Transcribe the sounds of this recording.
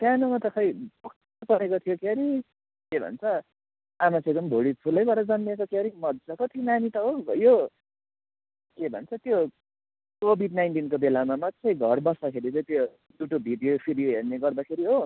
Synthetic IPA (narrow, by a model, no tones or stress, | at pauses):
t̪janomat̪ʌkʰʌjpʌk | ʌpʌɾekot̪ʰijokeɾi | kebʱʌ̰nt͡sʰʌ | amat͡sʌ̃eɡ̚d̪ʌmbʱoɽipʰulʌjbʱʌɾʌd͡zʌnmekokeɾimʌd̪d͡zʌkot̪ʰinanit̪ʌɦobʌjo | kebʱʌ̰nt͡sʰʌt̪jo | kobʱiɖ̚najnʈinkobelamamat͡sʌjɡʱʌrbʌsd̪akʰeɾit͡sʌĩt̪jo | d̪uʈobʱid̪ijopʰidijoɦerneɡʌrd̪akʰeɾiɦo